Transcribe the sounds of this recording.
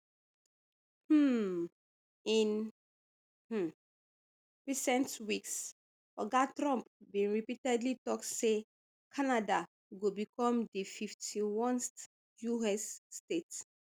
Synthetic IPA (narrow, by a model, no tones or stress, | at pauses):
hm̩ | ĩn | hm̩ | ɹisɛ̃ntwiks | ɔɡatɹɔ̃mpbĩnɹipitɛdlitɔkse | kʰanada | ɡobikɔ̃mdififtʰiwɔ̃nst | juɛsːtets